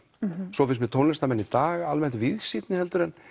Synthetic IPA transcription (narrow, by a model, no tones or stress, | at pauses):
sɔfɪsmɛt̪ʰownɛst̪amɛnːit̪aːɣalmɛn̥t̪vɪðsit̪nɪhɛlt̪ʏɾɛn